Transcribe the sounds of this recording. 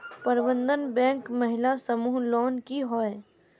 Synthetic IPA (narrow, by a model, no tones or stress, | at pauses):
pɐɾbə̃nd̪ənbɛ̃ːŋkmɐɦɪlasɐmuːɦlɔːnkiɦɔːe